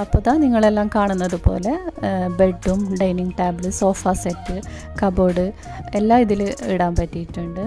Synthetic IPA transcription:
ɐpːɐðaːniŋːɐɭe̞lːaːmkaːɳunːɐðupo̞̰ːle̞beɖːumɖɐjniŋɡʈaːbɭɨso̞ːfaːsetːɨ | kɐboːɽɨ | elːaːiðiliɽaːmpɐtːijiʈːuɳɖɨ

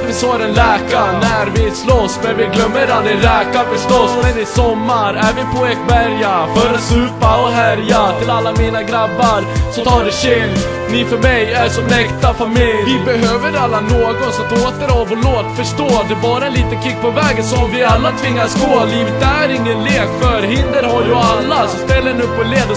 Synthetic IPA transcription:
ɪsoːɾɛnlɛːkanæɾvɪslɔsːmɛnvɪɡlœmːəɾanɪɾɛːkafœʂt̪ɔsɛnɪsɔmːaɾæɾvɪpʰɔɛkbæɾjafœɾasʉːpaɔɦæɾjat̪ʰɪlalːamiːnaɡɾabːaɾsɔt̪ʰɑːɖɛsɪl | nɪfœɾmɛjæɾsɔmɛkt̪afamɪlvɪbɛɦøːvəɾalːanoːɡɔnsɔt̪oːt̪əɾɑvɔloːt̪fœʂʈoːt̪ːɛbɑːɾaɛnliːt̪əŋkʰɪkːpʰɔvɛːɡənsɔmvɪalːat̪ʰvɪŋːaskoːaliːvət̪̚d̪æɾɪŋːənleːkfœɾɦɪnd̪əɾhaɾjɵalːasɔmst̪ɛlːəɳɪɵpːɔleːd̪

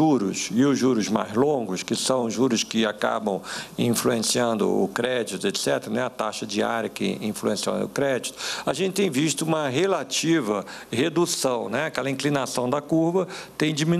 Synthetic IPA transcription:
uɾʊsɪʊʒuɾʊzma̰jzlõɡʊskɪsɐ̃w̃ʒuɾʊskɪaka̰bɐ̃w̃ĩfluẽsiɐ̃nd̪ʊ̰ʊkɾɛd͡ʒit̪ʊet̪sɛt̪ɾɐnɛɐt̪aʃɐd͡ʒia̰ɾjɐkɪ̰ĩfluẽsiõ̰ʊkɾɛd͡ʒit̪ʊ̥aʒẽntt͡ʃɪt̪ẽj̃viʃt̪ʊũmɐɦelat͡ʃivɐhed̪usɐ̃w̃nɛakɛlɐĩklinasɐ̃w̃d̪ɐkuɾvɐt̪ẽj̃d͡ʒimĩn

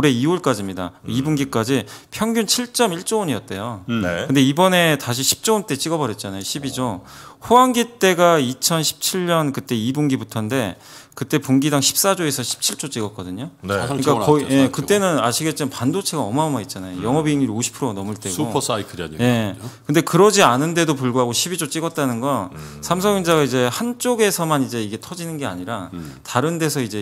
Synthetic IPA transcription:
oɾe̞ioɭk͈ad͡ʑimɲida̰oibuŋɡik͈ad͡ʑipʰjʌŋɡjunt͡ɕʰiɭt͡ɕ͈ʌmiɭt͡ɕ͈ooɲijʌt̚t͈e̞jonkɯnde̞ibʌne̞taɕʰiɕʰi̥p̚t͡ɕ͈oont͈e̞t͡ɕ͈iɡʌbʌɾjʌt̚t͡ɕ͈anajoɕʰibid͡ʑoɸoaŋɡit͈e̞ɡait͡ɕʰʌnɕʰi̥p̚t͡ɕʰiɭɲʌnkɯt͈e̞ibuŋɡibutʰʌnde̞ | kɯt͈e̞puŋɡidaŋɕʰi̥p̚s͈ad͡ʑoe̞sʰʌɕʰi̥p̚t͡ɕʰiɭt͡ɕ͈ot͡ɕ͈iɡʌp̚k͈ʌdɯɲonɯk͈ajekɯt͈e̞nɯnaɕʰiɡe̞t͡ɕ͈imanpandot͡ɕʰe̞ɡaʌmaomait̚t͡ɕ͈anajo̰jʌŋʌbiiŋiɾoɕʰi̥pʰɯɾonʌmɯɭt͈e̞ɡsopʰsaikʰɯɾia̰ɲije̞kɯnde̞kɯɾʌd͡ʑianɯnde̞dopuɭɡuɦaɡoɕʰibit͡ɕot͡ɕ͈iɡʌt̚t͈anɯnɡʌsʰamsʰʌŋind͡ʑaɡaid͡ʑe̞hant͡ɕ͈oɡe̞sʰʌmanid͡ʑe̞iɡe̞tʰʌd͡ʑinɯnɡe̞a̰ɲiɾataɾɯnde̞sʰʌid͡ʑe̞

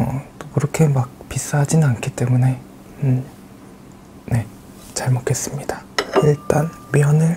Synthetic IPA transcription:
ʌtokɯɾʌkʰe̞mak̚pis͈aɦad͡ʑinɯnankʰit͈e̞mune̞ | ne̞ | t͡ɕaɭmotkʰe̞s͈ɯmɲid̥ḁiɭt͈anmjʌnɯɭ

